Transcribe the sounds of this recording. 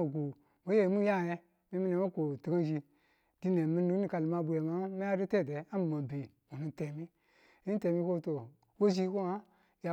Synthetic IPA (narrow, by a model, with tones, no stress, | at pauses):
o˨ɡu˨ | mo˦je˦˨˦mu˦ja˦˨je˦ | mi˦mi˦ne˨mo˦ko˨ti˨ɡa˦d͡ʒi˧ | di˦ne˨mi˦n˦ni˨ka˨lma˨bu˨je˨ma˦me˦a˦du˦te˦˨de˨a˦m˨ma˨be˨mu˨nu˨te˨mi˦ | ni˦te˨mi˦ko˦to˨ | wo˦ʒi˦ko˦a˦ | ja˨